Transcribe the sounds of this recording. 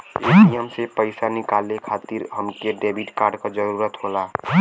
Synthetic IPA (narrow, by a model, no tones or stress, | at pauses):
ekijəmsepəɪsanɪkaːlekʰaːt̪iɾɦəmkeɖeːbiʈkaːɾɖkad͡ʒəɾuːɾət̪ɦolaː